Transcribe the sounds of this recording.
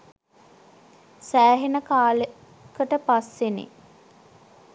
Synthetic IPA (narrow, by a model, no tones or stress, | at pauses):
sæːɦenəkaːle | kəʈəpasʋenḛ